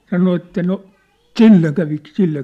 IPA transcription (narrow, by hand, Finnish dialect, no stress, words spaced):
sɑno etːæ no t̆silːe kæʋi silːe